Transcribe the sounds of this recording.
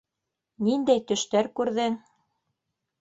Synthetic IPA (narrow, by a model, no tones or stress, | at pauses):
nind̪æjt̪ɵ̆ʃt̪æɾkʉɾðɘŋ